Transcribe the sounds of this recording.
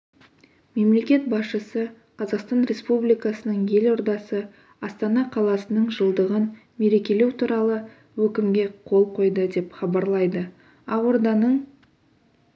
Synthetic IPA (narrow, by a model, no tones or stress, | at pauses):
me̞mle̞kʲe̞t̪̚bɑsʃəsə | qʰɑzɑqst̪ɑnɾe̞spublijkɑsənəɴje̞lo̞ɾd̪ɑsə | ɑst̪ɑnɑqʰɑlˠɑsənəɴʒəlˠd̪əʁən | me̞ɾe̞kʲe̞le̞wt̪ʰuɾɑlˠə | wɵkʲɪmɡʲe̞qʰo̞lˠqʰo̞jd̪əd̪e̞pχɑbɑɾlˠɑjd̪ə | ɑoɾd̪ɑnəɴ